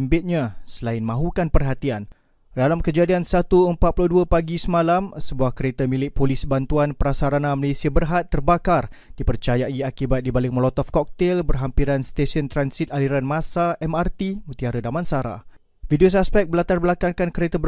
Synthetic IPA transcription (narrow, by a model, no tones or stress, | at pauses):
mbɪt̪̚ɲãsəlaɪnmãɦukanpərɦat̪ian | dalamkəd͡ʒadiansat̪uəmpat̪̚puluduəpaɡisəmãlamsəbuahkəɾet̪amilɪʔ̚polisbant̪uanpəɾasaɾanãməlesiabərɦat̪ːərbakardipərt͡ʃajaiakibat̪̚dibalɪŋ̚məlɔt̪ɔfkɔk̚t̪ɛlbərɦampiɾanst̪esənt̪ɾansit̪̚aliɾanmãsaɛmart̪imut̪iaɾədamãnsaɾa̰ | vidios̬aspɛk̚bəlat̪arbəlakankankəɾet̪abə